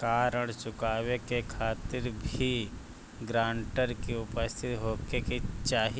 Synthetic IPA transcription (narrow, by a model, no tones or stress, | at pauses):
kaːɾəɽ̃t͡ʃʊkaːwekekʰaːt̪ɪɾbʱi | ɡɾãːɳʈəɾkiʊpəst̪ʰɪt̪ɦoːkeket͡ʃaːɦi